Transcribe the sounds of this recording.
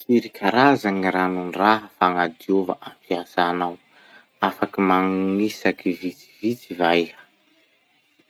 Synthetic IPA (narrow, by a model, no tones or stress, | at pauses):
siɾikʲʰaɾazaŋiɾanunraɦəfaŋad̪iova̰ʔampiazanaw | afakimaŋŋisakivit͡si̥vit͡sivajə̥